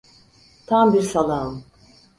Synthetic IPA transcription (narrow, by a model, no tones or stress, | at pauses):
t̪ʰambiɾsalˠaɯm